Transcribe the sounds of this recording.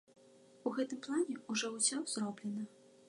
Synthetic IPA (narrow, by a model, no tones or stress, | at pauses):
uɣɛt̪ɨmplˠanʲɛuʐɔwsʲɔzrɔblʲɛnɐ